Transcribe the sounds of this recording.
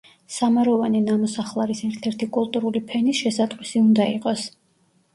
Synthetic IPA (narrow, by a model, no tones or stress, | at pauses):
samaɾɔvaninamɔsaχlˠaɾisɛɾt̪ʰɛɾt̪ʰikʼulˠt̪ʼuɾulipʰɛnisʃɛsat̪ʼqʼwisiund̪aiqʼɔs